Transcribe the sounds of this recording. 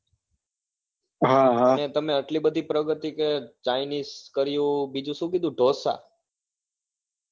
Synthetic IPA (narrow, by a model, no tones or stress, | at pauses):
ɦaɦanet̪əmeəʈlibəd̪ʱipɾəɡət̪iket͡ʃajniskəɾijũbid͡ʒũʃũkid̪ʱũɖʱosa̰